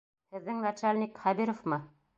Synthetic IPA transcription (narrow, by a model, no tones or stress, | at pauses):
hɘ̆ðːɘŋnat͡ʃalʲnʲikχæbiɾofmɤ